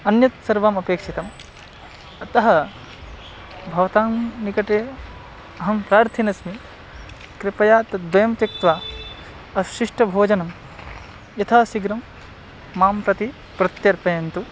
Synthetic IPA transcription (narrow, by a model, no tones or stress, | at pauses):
ɐnjɐt̪sɐɾʋaːmɐpeːkʂit̪ɐm | ɐt̪ɐɦɐ | bʱɐʋɐt̪aːmnikɐʈeː | ɐɦɐmpɾaːɾt̪ʰinɐsmi | kɾɪpɐjaːt̪ɐd̪ʋɐjɐmt̪ɐk̚t̪ʋaː | ɐʃiʂʈɐbʱoːd͡ʒɐnɐm | jɐt̪ʰɐɦɐsiɡɾɐmː | aːmpɾɐt̪i | pɾɐt̪jɐɾpɐjɐnt̪u